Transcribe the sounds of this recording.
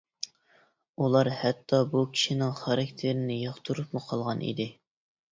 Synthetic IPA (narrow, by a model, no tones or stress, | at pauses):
ulˠɑɾhɛt̪ʰːɑbukʲʰi̥ʃinɪŋχɑɾɑkʲt̪ʰeɾɪnɪjɑχt̪ʰuɾupmʊqʰɑlˠʁɑnʔḭd̪ɪ